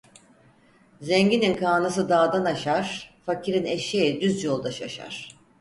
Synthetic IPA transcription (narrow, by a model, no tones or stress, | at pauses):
zɛɲɟininkʰaːnɯs̬ɯd̪aːd̪anaʃaɾ̥facʰiɾineʃed̪yzjolˠd̪aʃaʃa̰ɾ̥